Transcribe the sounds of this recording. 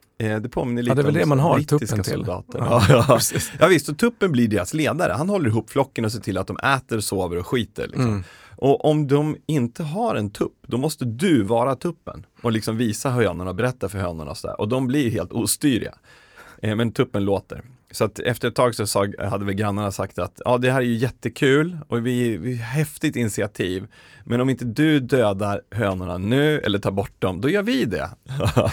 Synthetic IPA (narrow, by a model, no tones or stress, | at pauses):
d̪ɛpʰoːmɪnːəɭid̪ɛɛld̪ɛmanhat̪ʰt̪ːɪskasʊld̪ɑ̰ːt̪ə̰ɾɑːɑːjɑːvɪst̪sɔt̪ʰɵpːənblɪɖeːɾasleːd̪aɾʔə̰hanɦɔlːəɾɪɦuːpːflɔkːənɔseːʈʰɪlːat̪̚d̪ɔmʔɛːt̪əɾɔsoːvəɾɔɧiːt̪ə̰ɾɭɪ̰kssɔ̰mʔɔʔɔmd̪ɔmɪnt̪əɦaɾɛnt̪ʰɵpːd̪ɔmɔst̪əd̪ɵvɑːɾat̪ʰɵpːə̰nɔlɪksɔmviːsaɦœanaɳaɔbɛɾɛt̪ːaɾfœɾhœːnʊ̰ɳa̰ɔsɔd̪æ̰ːɾʔɔd̪ɔmblɪɾɦeːlt̪uːst̪yːɾɪ̰ɡa̰ | mɛnt̪ʰɵpːənloːt̪ə̰ɾ | sɔat̪ɛ̰ft̪əɾɛt̪ʰːɑːɡsɔsɑːɡhad̪ːəvɛlɡɾanːaɳasakt̪at̪jɑ̰ːd̪ɛhæːɾæɾjɵjɛt̪ːəkʰʉ̟ːlʔɔvɪɪɦɛft̪ɪt̪ɪnɪsɪat̪ʰiːv | mɛnɔmɪnt̪əd̪ɵd̪øːd̪aɾɦøːnʊɳanʉ̟ːɛ̰lːəʈʰɑːɾbɔʈ̚ːd̪ɔmd̪ɔjœːɾvɪd̪ɛ̰